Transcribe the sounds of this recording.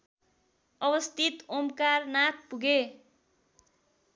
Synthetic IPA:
ʌbʌst̪it̪omkarnak̚puɡe

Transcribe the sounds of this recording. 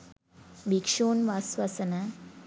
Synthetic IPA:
bikʂoːnʋasʋɐsɐnɐ

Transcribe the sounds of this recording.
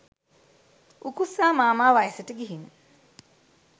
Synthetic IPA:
ukusaːmaːmaːʋajsəʈəɡiɦin

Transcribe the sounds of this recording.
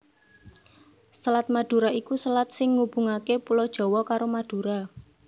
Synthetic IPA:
səlat̪̚mad̪̥ṳɾaikusəlat̪̚sɪŋːub̥ṳŋakepulɔd̥ʒ̥ɔ̤wɔkaɾomad̪̥ṳɾa

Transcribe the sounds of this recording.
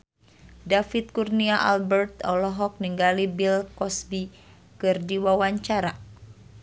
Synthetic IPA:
dafit̪̚kurniaʔalbərt̪ɔlɔɦɔk̚niŋɡalibilkɔsbi | kɨrdiwawaɲt͡ʃaɾa

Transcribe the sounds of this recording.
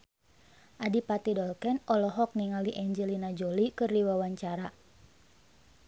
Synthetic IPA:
ʔadipat̪idɔlkɛnɔlɔɦɔk̚niŋaliʔɛɲd͡ʒɛlinad͡ʒolikɨrdiwawaɲt͡ʃaɾa

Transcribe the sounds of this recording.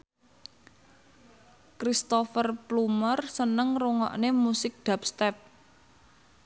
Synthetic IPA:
kɾist̪ofərplumərsənəŋruŋɔ̰ʔnemusɪk̚ɖ̪̥a̤p̚st̪ɛp̚

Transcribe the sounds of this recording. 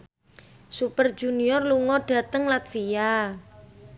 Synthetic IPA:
supərd͡ʒ̥uniɔrluŋɔɖ̥ä̤t̪əŋlat̪fia

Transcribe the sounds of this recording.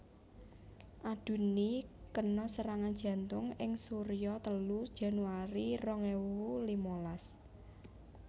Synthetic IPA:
ʔad̪̥ṳnikənɔsəɾaŋandd͡ʒ̥ä̤nt̪ʊŋɪŋsuɾijɔt̪əlud̥ʒ̥ä̤nuaɾirɔŋɛwlimolas

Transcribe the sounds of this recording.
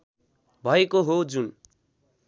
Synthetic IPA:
bʱʌekoɦod͡zun

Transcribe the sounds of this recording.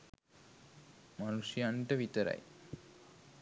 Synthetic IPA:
manuʂijaɳʈəʋit̪əɾɐ̰j

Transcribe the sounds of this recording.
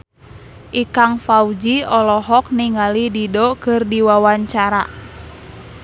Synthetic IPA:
ʔikaŋfaud͡ʒiɔlɔɦɔk̚niŋalididɔkɨrdiwawaɲt͡ʃaɾa̰

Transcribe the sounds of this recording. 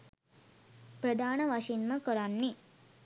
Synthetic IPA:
pɾəd̪aːnəʋaʂinməkəɾanːi

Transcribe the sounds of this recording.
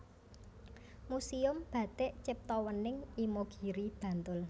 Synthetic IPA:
musiʊmb̥ä̤t̪ɪʔt͡ʃɪp̚t̪ɔwənɪŋimoɡ̥i̤ɾib̥ä̤nt̪ʊl

